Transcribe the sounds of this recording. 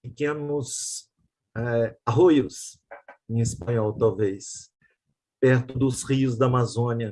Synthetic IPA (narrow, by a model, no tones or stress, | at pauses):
pekẽnʊs | ɛaɦojʊs | ẽespɐ̃ɲɔwt̪awvejs | pɛɾt̪ʊd̪ʊshiʊzd̪ɐːmazõniɐ